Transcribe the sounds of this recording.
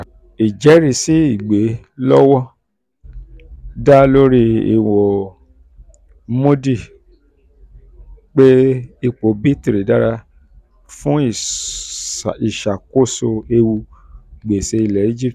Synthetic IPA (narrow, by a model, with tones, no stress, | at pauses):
i˨d͡ʒɛ˨˦ɾi˦˨si˨˦i˦˨ɡ͡be˨˦ | lɔ˦wɔ˦ | da˦lo˦ɾi˧ḭ˨wɔ˨ | mo˦di˦˨ | k͡pe˦i˧k͡po˨˦bi˦ti˧ɾi˨˦da˦ɾa˧ | fũ˦i˨ | i˨ʃa˨ko˦˨so˧e˧wu˧ɡ͡be˨se˧i˧lɛ˨i˦d͡ʒi˦˨